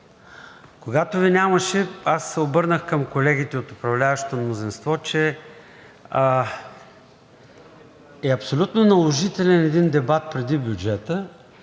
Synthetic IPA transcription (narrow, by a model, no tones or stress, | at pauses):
koɡat̪ovinʲaməʃɛasːɛobɤɾnəxkəmkolɛɡ̟it̪ɛot̪ʊpɾɐvlʲavɐʃot̪omnozinst̪vɔt͡ʃɛ | ɛɐpsolʲut̪nonɐlˠoʒit̪ɛlʲɛnɛd̪ind̪ɛbat̪̚pɾɛd̪ibʲjʊd͡ʒɛt̪ə